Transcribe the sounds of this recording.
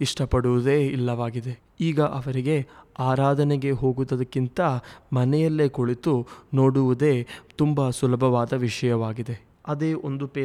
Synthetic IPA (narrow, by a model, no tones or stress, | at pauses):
iʂʈɐpɐɽuʋud̪e̞ːilːɐʋaːɡid̪e̞ | iːɡɐʔɐʋɐɾiɡe̞aːɾaːd̪ʱɐneɡe̞ɦo̞ːɡut̪ːɐd̪ɐkːint̪ɐmɐnɛjɐlːekoɭit̪uno̞ːɽuʋud̪e̞ːt̪umbɐsulɐbʱɐʋaːd̪ɐʋiʂɐjɐʋaːɡid̪e̞ | ɐd̪eːʔond̪upeː